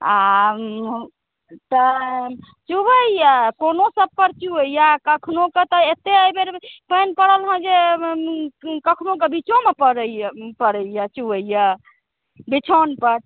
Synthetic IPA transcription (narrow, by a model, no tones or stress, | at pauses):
a | t̪ə | t͡ʃubəijakonosəb̚pəɾt͡ʃuəijakəkʰnoket̪ɔet̪ːeəjbeɾpənpəɽəlɦə̃d͡ʒe | kəkʰnokebit͡ʃomepəɾəpəɾəjat͡ʃuəja | bit͡ʃʰonpəɾ